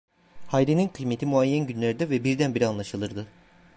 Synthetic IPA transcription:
hajɾeninkʰɯjme̞t̪ʰimuajːænɟynlʲeɾid̪ɛvɛbiɾd̪ænbiɾianlˠaʃɯlˠɯɾd̪ɯ

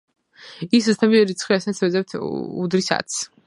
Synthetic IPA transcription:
iszt̪ʰabiɛɾit̪sʰχwiasat̪sʰwɛzɛwt̪ʰṵd̪ɾisa̰t̪sʰ

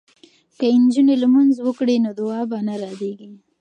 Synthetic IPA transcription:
kəɪnd͡ʒunelamunzwəkɽenod̪ʊɑːbanaɾɑd̪eɡi

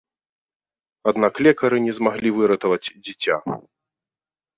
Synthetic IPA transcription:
ad̪naklʲɛkɐɾɨnʲɛzmaɣlʲivɨɾɐt̪ɐvɐt͡sʲd͡zʲit͡sʲa̰

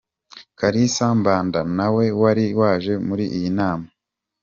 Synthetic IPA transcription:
kaɾisambaːndanawe̞waɾiwaːʒe̞muɾiʔijinaːma

